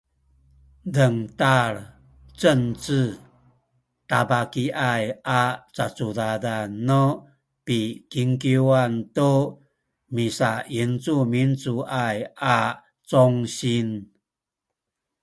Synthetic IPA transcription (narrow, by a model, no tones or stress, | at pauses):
dəŋtaɾ | t͡sənt͡sɨ | tabakiʔajʔat͡sat͡sudadanɔ | pikiŋkiwanto | misaint͡sumint͡suʔajʔa | t͡sɔŋɕin